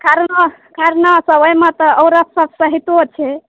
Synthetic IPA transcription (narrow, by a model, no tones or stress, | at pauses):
kaɾə | kaɾnasəbəjmet̪əːʊɾəp̪səbsəɦit̪ot͡ʃʰɛ